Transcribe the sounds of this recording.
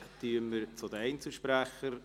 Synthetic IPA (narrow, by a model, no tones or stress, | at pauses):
t̪yəməɾt͡sʊd̪əɛɪnt͡səlʃpɾæχəɾ